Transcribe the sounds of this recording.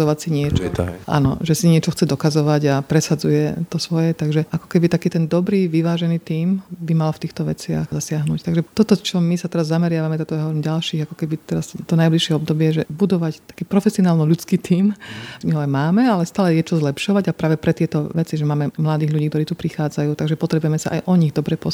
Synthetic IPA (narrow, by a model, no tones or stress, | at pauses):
ɔʋacsiɲɪɛt͡ʃɔ̰ʔa̰nɔ̰ʒɛsiɲɪɛt͡ʃɔxt͡sɛd̪ɔkazɔʋaɟapɾɛsad͡zujɛt̪ɔsʋɔjɛt̪aɡʒɛʔakɔ̥kɛbit̪akiːt̪ɛnd̪ɔbɾiːʋiʋaːʒɛniːt̪iːmbimalft̪iːxt̪ɔʋɛ̰t͡sɪa̰xzasɪaɦnuct̪aɡʒɛt̪ɔt̪ɔt͡ʃɔmisat̪ɛɾazːamɛɾɪaʋamɛt̪ɔt̪ɔjaɦɔʋɔɾiːmɟalʃiːɣakɔ̥kɛbit̪ɛɾast̪ɔnajbliʃɪɛɔbd̪ɔbɪɛʒɛbud̪ɔʋact̪ḁkiːpɾɔfɛsiɔnaːlnɔʎut͡skiːt̪ʰiːmmiɦɔajmaːmɛalɛst̪aːlɛjɛt͡ʃɔzlɛpʃɔʋaɟapɾaːʋɛpɾɛt̪ɪɛt̪ɔʋɛt͡siʒɛmaːmɛmlad̪iːɣlʎuɟiːk̚t̪ɔɾiːt̪upɾixaːd͡zajuːt̪aɡʒɛpɔt̪ɾɛbuʊjɛmɛsa̰ʔa̰jʔɔɲiɣd̪ɔbɾɛpɔ